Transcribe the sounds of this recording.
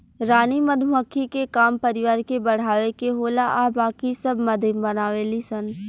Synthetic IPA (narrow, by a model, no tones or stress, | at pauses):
ɾaːnimɐnuɦəkʰikekaːmpɐɾɪʋaːɾkebɐɽ̤aːʋekeɦoːlaʔabaːkisɐbʱmɐd̪ʱjəmbɐnaːʋelisən